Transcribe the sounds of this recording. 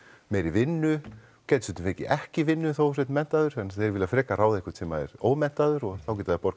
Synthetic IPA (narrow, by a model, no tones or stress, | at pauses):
mejɾɪvɪnːʏ | cɛjt̪sʏnt̪ʏmvejcɪʔɛhcɪvɪnːʏθows̬ɛt̪mɛn̥t̪aðʏɾ̥ɛnθeɾvɪlafɾɛːkaraːwðehkʏ̥ɾt̪sɛmaðɛ̰ɾo̰ːwmɛn̥t̪aðʏɾɔɣθawc̬ɛːt̪aðɪpɔɾk